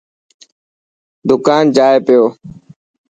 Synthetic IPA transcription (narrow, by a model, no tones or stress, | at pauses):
d̪ʊkaːnd͡ʒaːepɪjoː